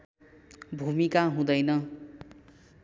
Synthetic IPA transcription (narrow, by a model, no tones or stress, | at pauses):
bʱumikaɦũd̪ʌjnʌ